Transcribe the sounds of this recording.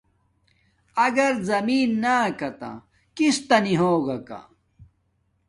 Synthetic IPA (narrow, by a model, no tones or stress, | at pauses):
ɐɡɐɾzɐmiːnːaːkɐt̪ã̰ | kist̪ɐniɦoːɡɐka̰